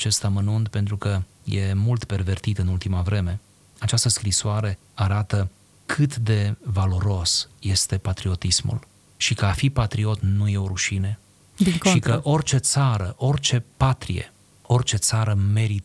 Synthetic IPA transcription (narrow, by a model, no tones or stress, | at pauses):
t͡ʃe̞st̪amənunt̪pe̞nt̪ɾukə | je̞mult̪pe̞rve̞rt̪it̪ɨnult̪imavɾe̞me̞ | at͡ʃast̪əskɾisoaɾe̞ | aɾat̪ə | kʰɨt̪d̪e̞valo̞ɾo̞sje̞st̪e̞pat̪ɾio̞t̪ismṵl | ʃikəafipat̪ɾio̞t̪nuje̞o̞ɾuʃine | dikʃʃikəʔo̞rt͡ʃe̞t̪saɾəʔo̞rt͡ʃe̞pat̪ɾḭjḛ | o̞rt͡ʃe̞t̪saɾəme̞ɾit̪